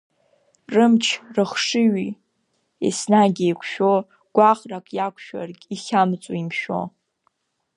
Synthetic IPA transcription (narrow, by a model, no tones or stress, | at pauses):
rɨmt͡ʃʰrɨχʂɨɥi | ḭsnaɡʲijkʷʰʃᶣo | ɡ̥ʷaχrakʼjakʷʰʃᶣa̰rɡʲiχʲamt͡sʷʼoimʃᶣo̞̰